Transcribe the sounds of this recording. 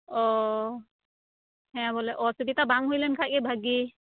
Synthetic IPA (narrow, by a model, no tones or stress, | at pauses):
ɔ | hɛ̃bɔlɛʔɔsubit̪abaŋɦojlɛnkʰajkɛbʱaɡi